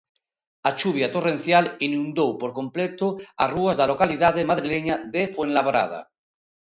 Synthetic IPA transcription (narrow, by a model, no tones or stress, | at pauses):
at͡ʃuβjat̪oren̟θjalinũnd̪owpoɾkõ̞mplet̪oaruazðalo̞kaliðað̞emaðɾileɲaðefwenlaβɾa̰ð̞a̰